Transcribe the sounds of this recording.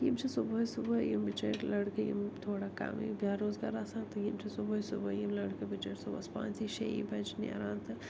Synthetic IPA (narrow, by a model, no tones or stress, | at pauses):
jimt͡ʃʰisuboːsubɐjimbit͡ʃḛʈlɐɽkɐjḭmt̪ʰoːɽaka̰m̰jbjaːɾoːzɡaːɾaːsãːnt̪ɨjimt͡ʃʰisuboːjsubɐjimlɐɽkɐbit͡ʃeʈsubɐspã̰ːnt͡siʃḛḭbɐd͡ʒnḛɾaːnt̪ʰɨ